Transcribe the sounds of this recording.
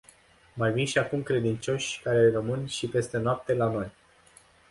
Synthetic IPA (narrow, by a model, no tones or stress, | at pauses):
majvimʃiakumkɾe̞d̪int͡ʃo̞ʃʲkaɾe̞rəmɨnʃipe̞st̪e̞noap̚t̪e̞lano̞j